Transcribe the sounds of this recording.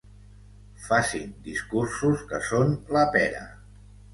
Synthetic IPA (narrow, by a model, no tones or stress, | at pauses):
fasind̪iskuɾsuskəsonləpɛɾə̰